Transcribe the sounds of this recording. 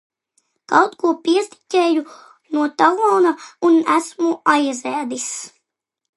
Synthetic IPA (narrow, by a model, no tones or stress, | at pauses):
kɑwt̪kuɔpiɛst̪i̥tʲɛːju | nuɔt̪alˠɔːnaunæsmuʔajzæːd̪is